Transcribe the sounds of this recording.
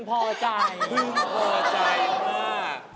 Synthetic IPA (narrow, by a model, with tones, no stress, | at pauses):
pʰɔː˧˩t͡ɕa˧jkʰɯ˧˥˩pʰɔː˧˩t͡ɕa˧˩jkʰaː˥˩